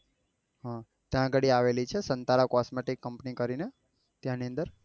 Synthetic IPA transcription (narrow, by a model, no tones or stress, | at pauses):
ɦã | t̪jãɡəɽiaʋelit͡ʃʰesənt̪aɾakɔsmeʈikːəmpnikəɾine | t̪jãniə̃nd̪əɾ